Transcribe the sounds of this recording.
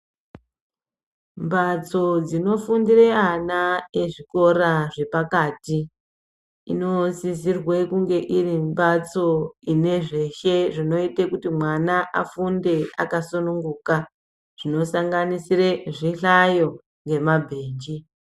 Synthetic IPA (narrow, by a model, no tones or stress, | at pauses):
mbat͡so̞d͡zino̞fundireanae̞ʐiko̞ɾaʐe̞pakaːti | ḭno̞sizirwe̞kuŋɡe̞ʔirimbat͡so̞ine̞ʐe̞ʃe̞ʐino̞itekutimwanaʔafunde̞akasunuŋɡuːka | ʐ̥ino̞saŋɡanisire̞ʐiɬajo̞ | ŋɡe̞mabʱeːnd͡ʒi